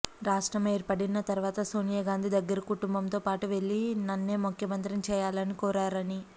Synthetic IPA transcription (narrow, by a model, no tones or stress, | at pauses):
ɾaːʂʈɾɐme̞ːɾpɐɽinːɐt̪ɐɾuʋaːt̪ɐsoːnijɐɡaːnd̪id̪ɐɡːɐɾɐkuʈumbɐmt̪o̞ːpaːʈuʋe̞ɭːinɐnːeːmukʰjɐmɐnt̪ɾimt͡ʃɛːjaːlɐnikoːɾaːɾɐni